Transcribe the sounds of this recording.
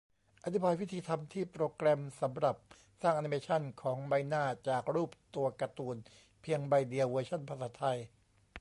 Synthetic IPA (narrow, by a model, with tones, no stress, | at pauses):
ʔa˧˩t̪ʰi˦˥baː˧jwi˦˥t̪ʰiː˧t̪ʰa˧mt̪ʰiː˥˩pɾoː˧kɾɛ˧msa˩˦mɾa˨˩p̚ | saː˥˩ŋʔa˧niː˧meː˧t͡ɕʰa˥˩nkʰɔː˩˦ŋba˧jnaː˥˩t͡ɕaː˨˩k̚ɾuː˥˩p̚t̪u˧ɐka˧t̪uː˨˩n | pʰi˧əŋba˧jdi˧əwɤː˧t͡ɕʰa˥˩npʰa˧saː˩˦t̪ʰa˧j